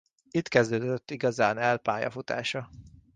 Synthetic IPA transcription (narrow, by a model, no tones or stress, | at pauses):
it̪kɛzd̪øːd̪øt̪ːiɡɒzaːnɛlpaːjɒ̰fut̪a̰ːʃɒ